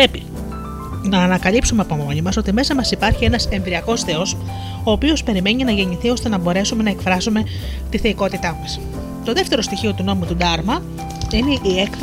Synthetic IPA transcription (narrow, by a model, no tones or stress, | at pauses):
ɾe̞pi | nɐːnɐkɐlipsume̞ɐpo̞mo̞ɲimɐso̞t̪ime̞sɐmɐsipɐɾçie̞nɐse̞ɱvɾiɐko̞sθe̞o̞s | o̞ːpio̞spe̞ɾime̞ɲinɐʝe̞ɲiθiost̪e̞nɐbo̞ɾe̞sume̞nɐe̞kfɾɐsume̞ | t̪iθeiko̞t̪it̪ɐmɐs | t̪o̞ðe̞ft̪eɾo̞st̪içio̞t̪uno̞mut̪ud̪ɐɾmɐ | ine̞ʔie̞kf